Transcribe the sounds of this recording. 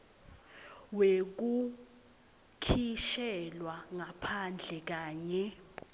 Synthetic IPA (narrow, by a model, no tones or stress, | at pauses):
wek̬u | kʰiʃɛlwaŋapʰand͡ɮʱɛk̬aːɲɛ